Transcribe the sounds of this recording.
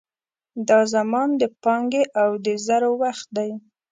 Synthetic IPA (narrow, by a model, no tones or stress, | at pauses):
d̪ɑzamɑnd̪əpɑŋɡeʔawd̪əzaɾowaxt̪̚d̪aj